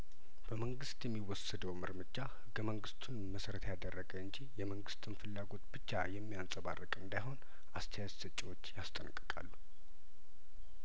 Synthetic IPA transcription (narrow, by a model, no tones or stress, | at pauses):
b̥əməŋɡɨst̪jɛmːiwɔsəd̪əwməɾmɨd͡ʒahɨɡːəməŋɡɨst̪ʰunməsəɾət̪jad̪ərːəɡəɨɲd͡ʒijɛməŋɡɨst̪ʰɨnfɨlːaɡo̞t̪b̥ɨt͡ʃːa̰jɛmːijansʼəβa̰rːəkʼɨnd̪ajɦo̞n | ast̪ʰɛjad͡ʒsət͡ʃʼiwo̞t͡ʃːjast̪ʼənkʼːɨkʼa̰lːu